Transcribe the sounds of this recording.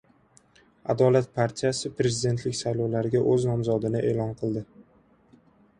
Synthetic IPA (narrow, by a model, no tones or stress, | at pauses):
a̰d̪ɒlat̪̚pʰaɾt̪ʰijasɪpɾe̞zɪd̪e̞nt̪ʰlɪkʲsajlɒwlaɾɪɡʲaʔɵznɒmzɒd̪ɪnɪʔe̞ːlɒnqʰɨlˠd̪ɪ